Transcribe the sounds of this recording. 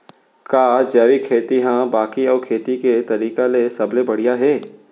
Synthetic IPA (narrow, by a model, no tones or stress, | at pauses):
kaːd͡ʒɛːʋikʰeːt̪iɦãbaːkiɔːɾkʰeːt̪iket̪ɐɾiːkalesɐblebɐɽ̤ijaɦɛː